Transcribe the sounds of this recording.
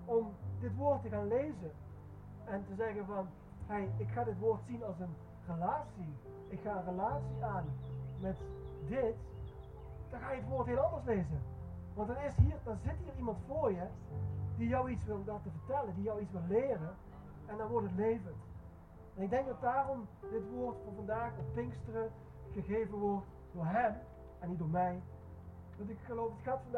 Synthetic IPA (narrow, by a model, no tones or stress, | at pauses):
ɔmdɪtʋoːrtːəɣaːnlejzə | ɛntəzɛɣənvɑn | hejɪkxaːdɪtʋoːɹtsinɑlˠsən | rəlaːsi | ɪkxaːənrəlaːsiaːnmɛtdɪt | d̥ɑnxaːjəətʋoːɹtɦɪːlˠɑndəɹsleːzə | ʋɑntdɑnɪshiːrdɑnzɪtɦiːrimɑntfʊːɹjəd̥ijɔwitsʋɪlˠdatəvəɹtɛləndijɔwitsʋɪlːɪːrə | ɛndɔnʋɔɹtɦətlejvənt | ɛnɪɡ̚dɛŋk̚dɑt̚daːrɔmdɪtʋoːɹtfɑnvɑndaːxɔfpɪŋkstərə | χəɣeːjvənʋɔrt | doːɹɦɛm | ɛnit̚doːɹmɛj | ʋɑntɪkxəlowfətxaːtfɑn